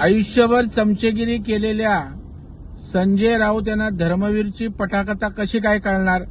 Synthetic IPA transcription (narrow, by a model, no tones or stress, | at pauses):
əjuɕjəʋəɾt͡səmt͡ɕeɡiɾiːkelelja | səɲd͡ʑeɾaut̪̬janːad̪ʱəɾməʋiɾt͡ɕiːpəʈʰakt̪akəɕiːkajkaɽɳaɾ